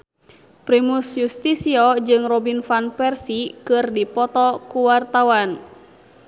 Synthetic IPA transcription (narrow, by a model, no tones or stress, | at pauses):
pɾimusjust̪isiɔd͡ʒɨŋrɔbinfanpɛrsikɨrdipɔt̪ɔkuwart̪awan